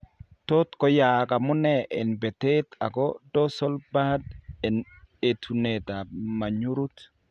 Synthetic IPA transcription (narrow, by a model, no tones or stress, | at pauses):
tot̪kɔjakamunɛʔɛnbɛteta̰kɔdɔsɔlbadɛn | etʰunetamaɲuɾut